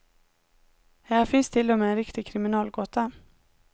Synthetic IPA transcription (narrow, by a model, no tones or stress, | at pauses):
hæhafɪnst̪ʰɪld̪ɔmɛɛnɾɪkt̪ɪɡkʰɾɪmɪnɑːlɡoːt̪a